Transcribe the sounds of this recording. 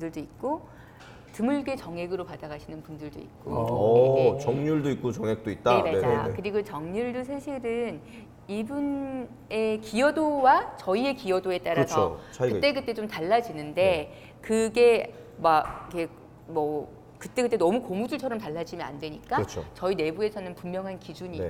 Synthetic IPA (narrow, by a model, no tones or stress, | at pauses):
pundɯɭdoit̚k͈o | tɯmuɭɡet͡ɕʌŋɦe̞ɡɯɾopad̥aɡaɕʰinɯnpundɯɭdo̰ḭk̚k͈o̰ot͡ɕʌŋɲuɭdoik͈̚ot͡ɕʌŋek̚t͈oit̚t͈aemad͡ʑakɯɾiɡot͡ɕʌŋɲuɭdosʰaɕʰiɾɯn | ibun | e̞kijʌdowat͡ɕʌie̞kijʌdoe̞t͈aɾasʰʌot͡ɕʰkɯt͈e̞kɯt͈e̞t͡ɕomtaɭːad͡ʑinɯnde̞ | kɯɡe̞ | maikʰe̞ | mʌ | kɯt͈e̞kɯt͈e̞nʌmukomud͡ʑuɭt͡ɕʰʌɾʌmtaɭːad͡ʑimjʌna̰ndwe̞ɲik͈aʌt͡ɕʰo̰t͡ɕʌine̞bue̞sʰʌnɯnpummjʌŋɦankid͡ʑuɲi